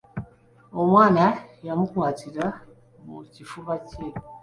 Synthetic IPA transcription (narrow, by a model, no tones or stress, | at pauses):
o̞mwaːnajamukwaːtiɾa | mṵcifuβace